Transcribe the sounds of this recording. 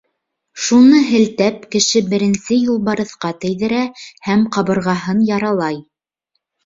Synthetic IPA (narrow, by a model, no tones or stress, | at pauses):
ʃunɤɦɘ̆lt̪æp̚kɘ̆ʃɘbɘ̆ɾɘ̆nsɘjulˠbɑɾɤ̆θqɑt̪ɘ̆jðɘ̆ɾæhæmqɑβɤ̆ɾʁɑɦɤnjɑɾɑlˠɑj